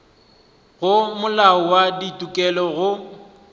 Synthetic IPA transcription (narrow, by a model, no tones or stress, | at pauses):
ɣʊmʊlaɔwaditʼukʼɛlɔɣʊ